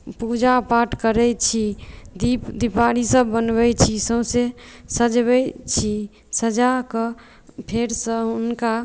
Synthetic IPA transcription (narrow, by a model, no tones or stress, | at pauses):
pud͡ʒapaʈkəɾɛt͡ʃʰid̪ipd̪ipaɾisəbbənbɛjt͡ʃʰisəsesəd͡ʒbɛt͡ʃʰi | səd͡ʒakə | pʰeɾsə̃unka